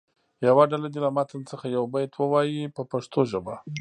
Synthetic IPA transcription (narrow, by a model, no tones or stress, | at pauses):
jawaɖalad̪ilamɑt̪ʰənt͡səxajawbajt̪ʰwəwɑjipəpaʂt̪oʒəba